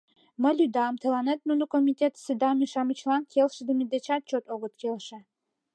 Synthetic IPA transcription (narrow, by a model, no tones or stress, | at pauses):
mə̆lʲyd̪ɑmt̪ʰə̆lɑnet̪̚nunukomʲit̪ʲet̪sɨd̪ɑmʲiʃɑmit͡ɕlˠɑnkʰelʃə̆d̪əmʲid̪et͡ɕɑt̪̚t͡ɕot̪oɣɤ̆t̪kelʃɘ̆